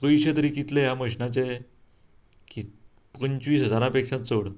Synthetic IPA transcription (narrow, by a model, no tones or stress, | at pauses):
kəjɕət̪əɾikit̪lejaməɕnat͡ɕe | ki | pəɲt͡ɕʋiːsɦəd͡zaɾãpekʂãt͡soɽ